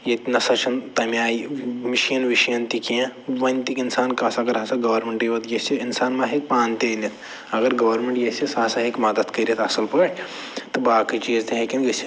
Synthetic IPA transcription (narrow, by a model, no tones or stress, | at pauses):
jet̪nɐsɐt͡ʃʰɐnt̪ɐmʲjaːimiʃijɐnʋiʃjɐnt̪ikijẽʋɐnʲt̪ikinsaːnkaːsɐɡɐɾɐsɐɡɐːʋɐɾmeɳʈiʋɐt̪jeseinsaːnmãɦek̚paːnt̪enit̪ʰ | ɐɡɐɾɡɐʋɐɾmẽɳʈjesesaːsɐɦekmɐd̪ɐt̪kɐɾʲiɐt̪ɐsɐlpɐɽʲ | t̪ɨbaːkit͡ʃiːzt̪eɦekinɡɐsi